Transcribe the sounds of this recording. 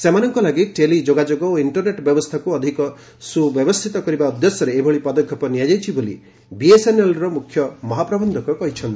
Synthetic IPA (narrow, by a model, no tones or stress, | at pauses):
semanɔŋkɔlaɡiʈelid͡ʒoɡad͡ʒoɡɔoiɳʈɔɾneʈbjɔbɔst̪ʰakuɔd̪ʱikɔ | subjɔbɔst̪ʰit̪ɔkɔɾibaud̪jɔsjɔɾeːbʱɔɭipɔd̪ɔkʰːjɔpɔnijad͡ʒajt͡ʃʰibolḭ | biesenelɾɔmukʰjɔmɔɦapɾɔbɔnd̪ʱɔkɔkɔɦit͡ʃʰɔnt̪i